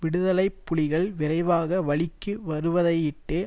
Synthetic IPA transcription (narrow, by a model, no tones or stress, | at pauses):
ʋɪɽɯðɐlɐɪpːʊɭɪɣɐɭʋɪɾɐɪʋaːɣɐʋɐɭɪkːɯʋɐɾɯʋɐðɐɪɪʈːɯ